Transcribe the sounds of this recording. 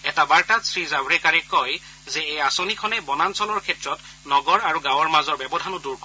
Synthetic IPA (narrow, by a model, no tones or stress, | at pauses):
ɛtabaɹtatsɹizabɹɛkaɹɛkɔj | zɛejasonikʰɔnɛbɔnansɔlɔɹkʰɛtɹɔt | nɔɡɔɹaɹuɡãwɔɹmazɔɹbɔbɔdʱanɔduɹkɔ